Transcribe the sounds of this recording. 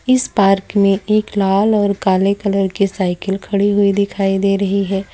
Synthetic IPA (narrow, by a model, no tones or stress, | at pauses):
ɪspaːɾkmẽʔeːklaːlɔːɾkaːlekɐləɾkisaːɪkəlkʰɐɽiɦʊid̪ɪkʰaːid̪eːɾɐɦiɦɛː